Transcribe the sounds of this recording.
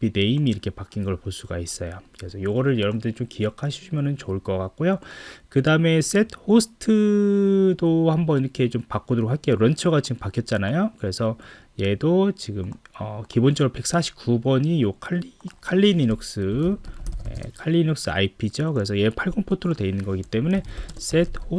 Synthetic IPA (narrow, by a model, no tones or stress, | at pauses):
bine̞imiːɾʌkʰe̞pak͈inɡʌɭpos͈uɡais͈ʌjokɯɾesʰʌjoɡʌɾɯɭjʌɾʌbɯndɯit͡ɕomkijʌkʰaɕʰu̥ɕʰimjʌnɯnt͡ɕouɭk͈ʌk͈ak̚k͈ojokɯdaɯme̞s͈e̞tʰhosʰɯ̥tʰɯ | dohambʌniɾʌkʰe̞t͡ɕompak͈odoɾokɸʰaɭk͈eɾʌnt͡ɕʰʌɣat͡ɕiɡɯmpakʰjʌt̚t͡ɕ͈anajokɯɾe̞sʰʌ | je̞dot͡ɕiɡɯmʌkibont͡ɕʰʌɾope̞k̚s͈aɕʰi̥p̚k͈ubʌɲijokʰaikʰaɭːininok̚s͈ɯ | je̞̰kʰaʎːinok̚s͈ɯa̰ipʰid͡ʑokɯɾe̞s̬ʰʌjepʰaɭɡonpʰotʰɯɾodwe̞inːɯnɡʌɡit͈e̞mune̞s͈e̞t̚ʰho